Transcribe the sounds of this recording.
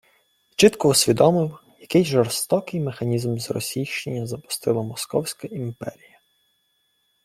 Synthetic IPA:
t͡ʃɪt̪kɔusʲʋʲid̪ɔmɪwjɐkɪjʒɔrst̪ɔkɪjmexɐnʲizmzrɔ̰sʲijʃt͡ʃenʲːɐzɐpʊ̥st̪ɪlˠɐmɔskɔwsʲkɐimpɛ̰ɾʲijɐ

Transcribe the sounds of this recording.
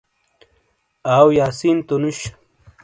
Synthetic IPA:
aːwjaːsint̪unuɕ

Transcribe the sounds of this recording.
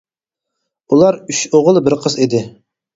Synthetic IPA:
ulˠɑɾyʃoʁəlˠbɪɾqʰəzid̪ɪ

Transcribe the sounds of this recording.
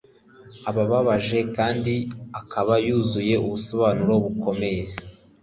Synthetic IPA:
aβaβaβaʒe̞kaːndiakʰaβajuːzuje̞ʔuβusoβaːnuɾo̞βukʰo̞me̞je

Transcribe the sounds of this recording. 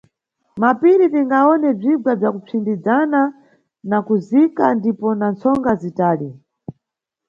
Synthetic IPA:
mapiɾipiŋɡaɔnɛb͡ʐiɡwab͡ʐakup͡fʰindid͡zana | nakuzikandipɔnant͡sʰɔŋɡazitaːli

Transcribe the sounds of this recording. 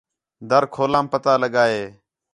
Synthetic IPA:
d̪əɾkʰoːlaːmpət̪aːləɠaːɦeː

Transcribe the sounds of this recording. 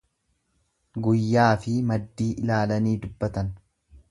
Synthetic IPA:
ɡʊjːaːfɪmɐd̪ːiːʔɪlaːlɐniːd̪ʊbːɐt̪ɐn

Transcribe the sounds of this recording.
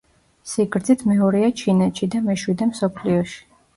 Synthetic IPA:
siɡɾd̪zit̪ʰmɛɔɾiat͡ʃʰinɛt̪ʃid̪amɛʃwid̪ɛmsɔpʰliɔʃi̥

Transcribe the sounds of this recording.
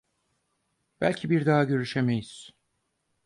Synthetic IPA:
b̥ælʲcʰibiɾd̪aɦaɟø̞ɾyʃemejiz̥

